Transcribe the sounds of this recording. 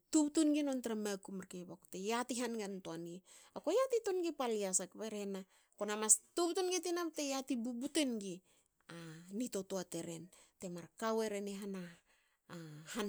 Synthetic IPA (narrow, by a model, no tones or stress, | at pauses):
tubtunɡinontaɾamakumaɾkebako̥tejatiɦanɡantoanɡi | akojatitonɡipaliasakpeɾena | konamastubtunɡitinapte̞jatibubutenɡi | anito̞toate̞ɾe̞̰nte̞maɾkawe̞ɾeneɦana | han